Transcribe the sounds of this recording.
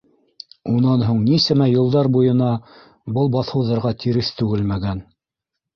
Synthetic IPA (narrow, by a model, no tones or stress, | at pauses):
unɑnɦuɴnisɘmæjŏlˠd̪ɑɾbujɤ̆nɑ | bɤlˠbɑθhɤ̆wðɑɾʁɑt̪ʰiɾɘθt̪ʉɡɘlmæɡæn